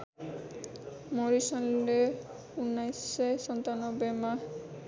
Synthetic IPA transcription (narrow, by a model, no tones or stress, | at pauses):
moɾisɔne | unːajsesɔnt̪anobema